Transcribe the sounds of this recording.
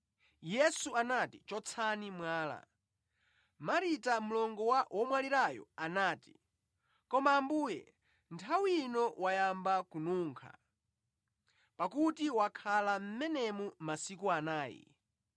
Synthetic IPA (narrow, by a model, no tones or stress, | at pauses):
jɛsuanatit͡ʃɔt͡sʰanimwaːla̰ | maɾitamulɔŋɡɔwawʔɔmwaliɾajɔ̰anaːti̥ | kɔmaːmbuːjɛ̰ | ntʰawinɔwajambakunuːŋkʰa̰ | pakutiwakʰalam̩mɛnɛmumasikuanaːjḭ